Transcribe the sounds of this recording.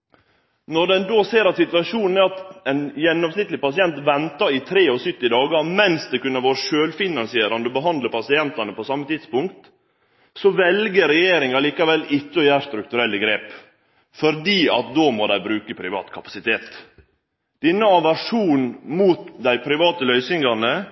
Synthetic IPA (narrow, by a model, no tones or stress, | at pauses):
nɔɖɛnd̪oːseːɾɑt̪sɪt̪ʋɑʂuːnnəɑt̪ɛɪnjɛnːɔmsnɪt̪ːlɪpɑsɪɛnt̪ʋɛnt̪ɑɪt̪ʰɾeːɔsʏt̪ːɪd̪ɑːɡɑɾmɛnsd̪ɛkʉnːəʋoːɾəʂøːlfɪnɑnsɪeːɾɑnd̪əɔbəɦɑnd̪ləpɑsɪɛnt̪ɑnəpɔsɑmːət̪ʰɪd̪spʊŋkt̪ | sɔʋɛlɡəɾɛjeːɾɪŋɑliːkɑʋɛlːɪt͡ʃːəɔjæːʂt̪ɾʉk̚t̪ʉɾɛlːəɡɾeːp | fɔɾd̪iːɑ̰t̪̚d̪oːmɔd̪æɪbɾʉːkəpʰɾɪʋɑ̰ːt̪kʰɑpɑ̥sɪt̪ʰeːt̪ | d̪̥ɪnːəɑʋæʂuːnmuːt̪d̪æɪpʰɾɪʋɑːt̪əlœʏsɪŋɡɑnə